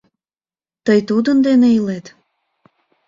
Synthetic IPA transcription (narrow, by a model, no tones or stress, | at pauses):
t̪əjt̪ud̪ənd̪eneilet̪